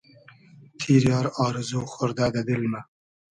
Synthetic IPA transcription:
t̪ʰiɾjɑɾɑːɾɨzuːχʊɾd̪ad̪ad̪ɪlma

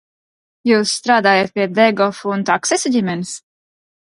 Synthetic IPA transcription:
juːsːt̪ɾaːd̪aːjat̪̚pʲiɛd̪ɛɡɔfuunt̪aksɛsɔɟʲimʲɛnis

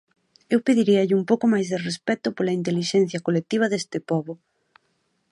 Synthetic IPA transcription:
ewpeðiɾiɐʎɪumpowkʊmajzðerespɛt̪ʊpolɐint̪eliʃɛn̟θjɐkolek̚t̪iβ̞ɐðest̪ɪpɔβʊ

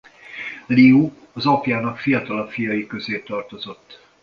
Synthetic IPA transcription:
liu | ɒzɒpjaːnɒkfijɒt̪ɒlɒkfijɒjikø̞zeːt̪ɒrt̪o̞zo̞t̪ː

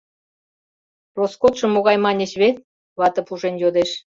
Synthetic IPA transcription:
roskot̪ʃɤ̆moɣɑjmɑnʲeɕβet̪̚ | βɑt̪ɤ̆puʒenjod̪eʃ

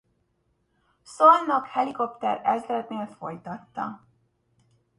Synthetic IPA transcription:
solnːɒkhɛliko̞pt̪ɛ̰ɾɛzlɛt̪neːlfo̞̰jt̪ɒt̪ːɒ̰

